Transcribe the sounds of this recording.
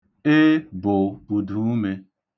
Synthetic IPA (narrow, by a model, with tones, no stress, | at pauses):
e˦bo˨u˨du˨˦me˧